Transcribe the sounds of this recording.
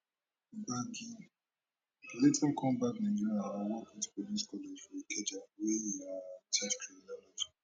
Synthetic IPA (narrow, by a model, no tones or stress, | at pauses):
baɡi | letʰakʰɔ̃mbaknãd͡ʒiɹiaawɔkĩtpoliskɔled͡ʒfɔekɛd͡ʒawejiɔtʰɛskɹiminalɔd͡ʒi